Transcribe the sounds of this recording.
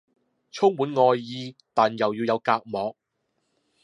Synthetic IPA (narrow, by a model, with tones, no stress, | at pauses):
t͡sʰʊ˥ŋmuː˨˥nŋɔː˧jːiː˧t̪aː˨njɐ˨wjiː˧wjɐ˨˧wkaː˧k̚mɔː˨k̚